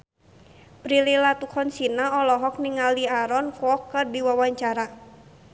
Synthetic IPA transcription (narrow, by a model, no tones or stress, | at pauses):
bɾililat̪ukʰɔnsinaɔlɔɦɔk̚niŋaliaɾɔnkwɔkːərdiwawaɲt͡ʃaɾa